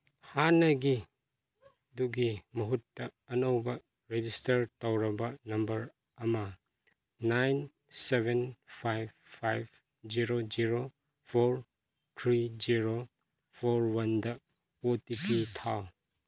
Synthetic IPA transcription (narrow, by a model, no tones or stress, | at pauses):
hanɐɡi | duɡimɐɦutːɐːnɐwbɐ | ɾed͡ʒistɐɾtawɾɐbɐnɐmbɐɾ | ɐmɐ | najn | sebʱenpʰajb̚ʰ | ajb | d͡ʒiɾod͡ʒiɾo | pʰoɾ | tʰɾid͡ʒiɾo | pʰoɾwɐndɐ | otitutʰaw